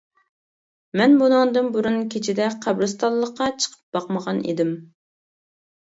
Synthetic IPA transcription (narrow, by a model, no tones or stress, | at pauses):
mɛnbunɨŋd̪ɨnbuɾunkʲʰet͡ʃʰid̪ɛqʰæbɾɨst̪ɑllˠːəqːɑt͡ʃʰə̥qʰə̥p̚b̥ɑqməʁɑnḛd̪ɪm